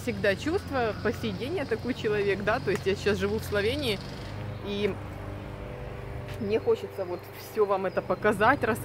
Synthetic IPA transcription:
fsʲɪɡd̪at͡ɕust̪vʊpəsʲɪjɪdʲenʲɪjət̪ɐko̞jt͡ɕɪlˠɐvʲe̞kd̪at̪o̞ɪsʲtʲjasɪɕasʐɨvufslˠɐvʲenʲɪː | i | mnʲexo̞t͡ɕɪt̪səvo̞t̪fsʲɵvamɛt̪əpəkɐzatʲrɐs

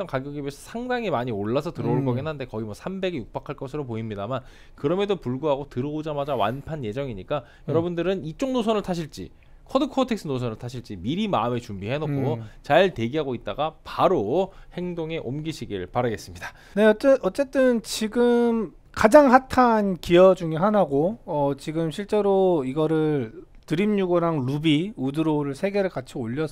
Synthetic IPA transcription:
ʌnkaɡjoɡibesʰʌ̥sʰaŋdaŋimaɲioɭːasʰʌtɯɾʌuɭk͈ʌɡinɦande̞kʌɡimwʌsʰambe̞ɡjuk̚p͈akʰaɭk͈ʌsʰɯɾopoimɲidaman | kɯɾʌmedopuɭɡuɦaɡotɯɾʌod͡ʑamad͡ʑawa̰npʰanje̞d͡ʑʌŋiɲik͈a | jʌɾʌbundɯɾɯnit͡ɕ͈oŋnosʰʌnɯɭtʰaɕʰiɭt͡ɕ͈ḭ | kʰʌdɯkʰʌtʰe̞k̚s͈ʰɯnos̬ʰʌnɯɭtʰaɕʰiɭt͡ɕ͈imiɾimaɯme̞t͡ɕumbiɦe̞nokʰot͡ɕaɭte̞ɡiɦaɡoit̚t͈aɡapaɾohe̞ŋdoŋe̞ʔomɡiɕʰiɡiɾɭpaɾaɡe̞s͈ɯmɲida | ne̞ʌɯnʌt͡ɕ͈e̞t͈ɯnt͡ɕiɡɯm | kad͡ʑaŋɦatʰankijʌd͡ʑuŋiɦanaɡoʌt͡ɕiɡɯmɕʰiɭt͡ɕ͈e̞ɾoiɡʌɾɯɭ | tɯɾimɲuɡoɾaŋlubiudɯɾoɾɯɭsʰe̞ɡe̞ɾɯɭkat͡ɕʰioʎːʌ

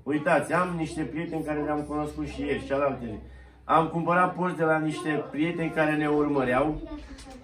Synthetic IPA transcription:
ujt̪at̪sʲamniʃt̪e̞pɾije̞t̪e̞nʲkaɾe̞neamkuno̞skut̪ʃije̞rʲt͡ʃalalt̪ele | amkumpəɾat̪̚purt̪d̪elaniʃt̪e̞pɾije̞t̪e̞nʲkaɾe̞ne̞urməɾeaw

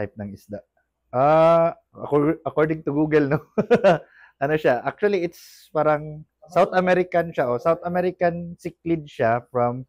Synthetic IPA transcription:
t̪ajp̚nɐŋɪsd̪aʔ | ʔa | ɐ̰kɐkoɹd̪ɪŋt̪ʊɡuːɡɛlno | ʔɐnoʃaʔak̚t͡ʃʊɐliʔɪt̪s | paːɾɐŋ | sawt̪ɐmɛɾɪkɐnʃaʔosawt̪ɐmɛɾɪkɐnsɪk̚lɪd̪̚ʃafɹɐm

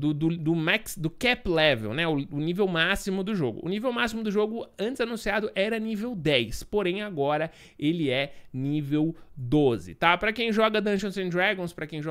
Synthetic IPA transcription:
d̪ʊd̪ʊd̪ʊmaksd̪ʊkɛplɛvḛwnɛʊʊnivewmasimʊd̪ʊʒoɡʊ̰ʔʊ̰nivewmasimʊd̪ʊʒoɡʊɐ̃nt͡ʃɪzanũsiad̪ʊʔɛɾɐnivewd̪ɛjspoɾẽj̃aɡɔɾɐ | elɪɛnivewd̪ozɪ̰t̪apɾɐkẽj̃ʒɔɡɐd̪ɐ̃ʃõsẽd̪ɾaɡõspɾɐkẽj̃ʒɔ

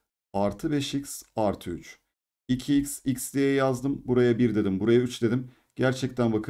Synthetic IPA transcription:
aɾt̪ʰɯbɛʃicsaɾt̪ʰɯyt͡ʃ | icʰiicʲsicʲsd̪ejɛjazd̪ɯmbuɾajabiɾd̪e̞d̪imbuɾajayt͡ʃd̪e̞d̪im | ɟæɾt͡ʃʰɛc̚t̪ʰænbakʰ

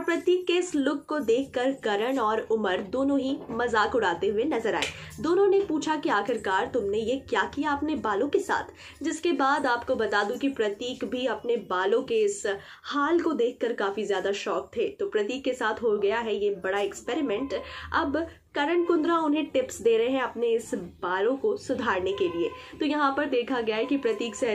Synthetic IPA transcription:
ɔɾpɾɐt̪iːkːeɪslʊkːod̪eːkʰkɐɾkɐɾəɽ̃ɔːɾʊməɾd̪oːnõɦimɐzaːkʊɽ̤aːt̪eɦʊenɐzəɾa̰ːḛːd̪oːnõnepuːt͡ʃʰakiaːxɪɾkaːɾt̪ʊmnejekjaːkijaɐpnebaːlõkesa̰ːt̪ʰ | d͡ʒɪskebaːd̪aːpkobɐt̪aːd̪ũkipɾɐt̪iːkbʱiɐpnebaːlõkeɪs | haːlkod̪eːkʰːɐɾkaːfizjaːd̪aʃɔːk̚t̪ʰeːt̪opɾɐt̪iːkːesaːt̪ʰɦoɡɐjaɦɛjebɐɽaɛkspɛːɾɪmɛ̃ɳʈɐb | kɐɾəɳkʊ̃nd̪ɾaʊnɦẽʈɪpsd̪eːɾɐɦeɦɛ̃ɐpneɪsbaːlõkosʊd̪ʱaːɾnekelieːt̪ojɐɦãpɐɾd̪eːkʰaɡɐjaɦɛkipɾɐt̪iːkse

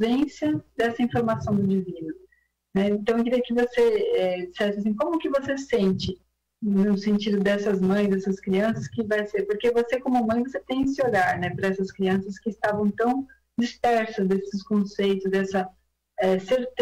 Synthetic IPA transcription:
zẽsiɐd̪ɛsɐĩfoɾmasɐ̃w̃d̪ʊd͡ʒivĩnʊ | nɛẽnt̪ɐ̃w̃k̬ɪɾiɐkɪvoseɛd͡ʒisɛsɪas̬ĩkõmʊkɪvosesẽnt͡ʃɪ | nʊsẽnt͡ʃid̪ʊd̪ɛsɐzmɐ̃j̃zd̪ɛsɐskɾiɐ̃sɐskɪvajseɾpoɾkevosekõmʊmɐ̃j̃voset̪ẽj̃ɪsɪoʎaɾnɛpɾɐɛsɐskɾiɐ̃sɐskɪːst̪avɐ̃w̃t̪ɐ̃w̃ | d͡ʒispɛɾsɐzd̪esɪskõsejt̪ʊzd̪ɛsɐ | ɛseɾt̪

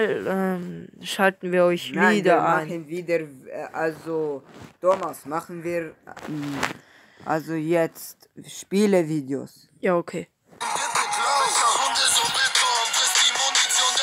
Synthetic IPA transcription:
lɛmʃaltn̩viːɐɔʏçviːdɐʔaaənviːdəɾʔalzod̥omasmaχn̩viːʁ | ʔa̰lzojɛt͡st | ʃpiːləviːdeo̰s | jaːokʰeː

